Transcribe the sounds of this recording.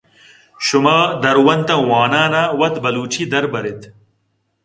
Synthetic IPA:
ɕumaːd̪ɐɾwɐnt̪ɐ̃waːnaːnaːwɐt̪bɐluːt͡ɕid̪ɐɾbɐɾet̪

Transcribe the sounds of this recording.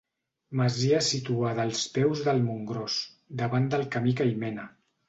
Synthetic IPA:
məziəsit̪uaðəːlˠspɛwzðəlˠmuŋɡɾos | d̪əβand̪əlˠkəmikəjmɛnə

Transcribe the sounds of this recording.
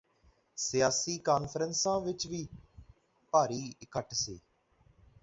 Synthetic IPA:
sɪjaːsiːkaːnpʰəɾənsãːʋɪt͡ʃʋiː | paːɾiːɪkʰəʈʰsiː

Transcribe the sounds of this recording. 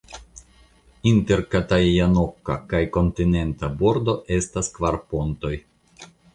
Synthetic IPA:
inte̞ɾkataano̞kːa̰kajko̞ntine̞ntabo̞ɾdo̞ʔe̞staskvaɾpo̞nto̞j

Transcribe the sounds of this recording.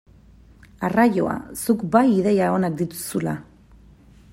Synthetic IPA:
araʝo̞̰a̰sukbajiðe̞jao̞nak̚d̪it̪u̥sula

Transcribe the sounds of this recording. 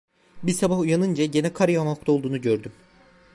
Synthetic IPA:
biɾsabahujanɯnd͡ʒaɟe̞nɛkʰaɾjamalˠɯk̚t̪ʰolˠd̪uːnuɟø̞ɾd̪ym

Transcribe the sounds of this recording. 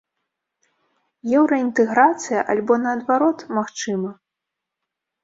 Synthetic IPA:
jɛwɾɐint̪ɛɣɾat̪sɨjɐ̰ʔalʲbɔnɐːd̪vaɾɔt̪maxt͡ʂɨmɐ

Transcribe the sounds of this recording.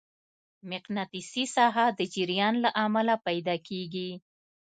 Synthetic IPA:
mɪqnat̪isisɑɦad̪əd͡ʒiɾijɑnlaʔamalapajd̪ɑkʰeɡi

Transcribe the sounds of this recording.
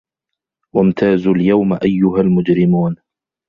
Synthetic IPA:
wamt̪ʰaːzuːljawmʔajːʊɦalmʊd͡ʒɾɪmuːn

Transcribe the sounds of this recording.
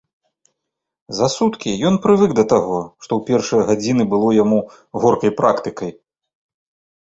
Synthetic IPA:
zɐsut̪kʲijɔnpɾɨvɨɡd̪ɐt̪aɣɔʂt̪ɔwpʲɛrʂɨjɐɣad͡zʲinɨbɨlˠɔjamu | ɣɔrkɐjpɾʔakt̪ɨkɐj

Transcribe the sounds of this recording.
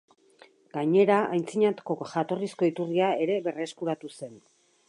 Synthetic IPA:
ɡ̥aɲe̞ɾaajnt͡siɲat̪ko̞ʝat̪o̞risko̞it̪uriae̞ɾe̞βe̞reskuɾat̪use̞n

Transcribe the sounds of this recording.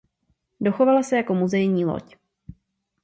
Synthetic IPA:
do̞xo̞valasɛjako̞muzɛjɲiːlo̰c

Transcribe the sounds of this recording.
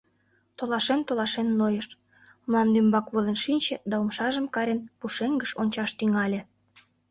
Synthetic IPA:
t̪olɑʃent̪olɑʃenːojəʃ | məlɑnd̪ymbɑkβolenʃinʲt͡ɕĕd̪ɑomʃɑʒə̆mkɑɾʲenpuʃeŋɡəʃonʲt͡ɕɑʃt̪yŋɑlʲĕ

